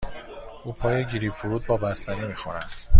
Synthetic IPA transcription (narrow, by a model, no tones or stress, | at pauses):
uːpʰɒːjeɟʲiɾiːfuɾuːd̪̚bɒːbæst̪æniːmixonæ̰nd̪̥